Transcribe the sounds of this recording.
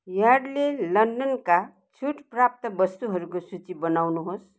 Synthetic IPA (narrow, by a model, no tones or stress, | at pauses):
jaɽlelʌnɖʌnka | t͡sʰuʈprap̚t̪ʌbʌst̪uɦʌɾukosut͡sibʌnawnuɦos